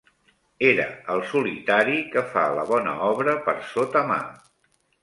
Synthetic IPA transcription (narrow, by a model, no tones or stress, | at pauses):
eɾəəlˠsulit̪aɾikəfa̰lə̰βɔnə̰ɔβɾəpəɾsot̪əma̰